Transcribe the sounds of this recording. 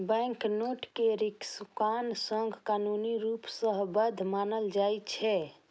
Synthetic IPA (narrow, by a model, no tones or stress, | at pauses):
bɛ̃ŋknoʈkeɾiksukansəŋɡʱkanuniɾupsəɦbəd̪ʱmanəld͡ʒajt͡ʃʰɛ